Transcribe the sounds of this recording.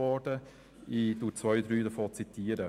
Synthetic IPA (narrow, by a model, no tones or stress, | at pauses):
ɔd̥ə | id̥ʊt͡sʋœʏd̪ɾyːdəfoːt͡sit̪iːəɾə